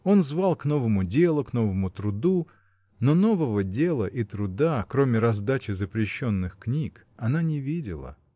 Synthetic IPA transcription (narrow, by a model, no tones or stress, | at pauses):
o̞nzvalˠkno̞vəmʊdʲe̞lˠʊkno̞vəmʊt̪ɾʊd̪u | no̞no̞vəvədʲe̞lˠəʔit̪ɾʊd̪akɾo̞mʲɪɾɐzd̪at͡ɕɪzəpɾʲɪɕːo̞nːɨxknʲik | ɐnanʲɪvʲidʲɪ̰lˠə̰